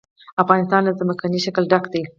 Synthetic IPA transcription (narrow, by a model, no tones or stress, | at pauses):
afɣɑnɪst̪ɑnlazəmakaniʃakəlɖakd̪ej